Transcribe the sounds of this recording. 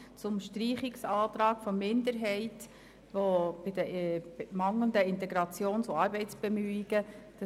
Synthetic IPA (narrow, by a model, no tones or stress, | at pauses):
t͡sʊmʃtɾiːχiksɑːt̪ɾɑːkfɔmɪnd̪əɾɦɛɪt | ʋob̥ɪdəmɑŋlənd̪əɪnt̪ɛɡɾɑt͡sjoːnsoɑɾbɛɪt͡sb̥ɛmyːiɡ̥əd̥ɑ